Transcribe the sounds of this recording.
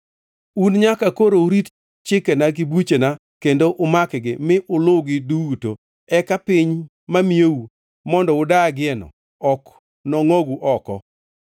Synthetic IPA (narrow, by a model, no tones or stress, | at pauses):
unɲakakoɾouɾit | t͡ʃɪkɛnaɡɪbut͡ʃena | kendoʔʊmakɡɪmɪʔʊlʊɡɪduwuto | ɛkapɪɲ | mamijeu | mɔndɔʊdaɡɪɛnɔ̰ | ɔk | nɔŋoɡuʔɔkɔ̰